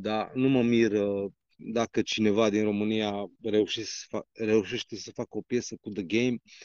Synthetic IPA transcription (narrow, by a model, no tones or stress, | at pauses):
d̪anuməmirə | d̪akət͡ʃine̞vad̪inro̞mɨnijare̞uʃessfare̞uʃe̞ʃt̪e̞səfakəo̞pje̞səkud̪əɡejm